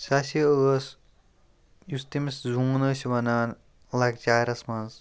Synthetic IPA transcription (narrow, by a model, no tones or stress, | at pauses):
sɐsiəːs | just̪imiszuːnəːsʋɐnaːn | lɐɡt͡ʃaːɾɐsmɐnz